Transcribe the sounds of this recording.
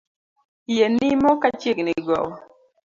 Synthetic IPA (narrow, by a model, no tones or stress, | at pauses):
jenimɔkat͡ʃjekniɡɔ̰wɔ